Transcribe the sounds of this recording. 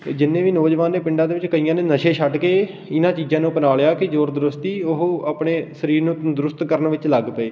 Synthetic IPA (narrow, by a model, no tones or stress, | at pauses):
d͡ʒɪnːẽːʋiːnoːd͡ʒʋaːnːeːpɪɳɖãːd̪eːʋɪt͡ʃkəiːãːnẽːnəʃeːʃʰəʈkeː | ɪnãːt͡ʃiːzãːnũːpənaːlejaːkɪd͡ʒoːɾd̪əɾʊst̪iːʊɦəpɳeːsəɾiːɾnũːd̪ɾʊst̪kəɾənʋɪt͡ʃləɡpəeː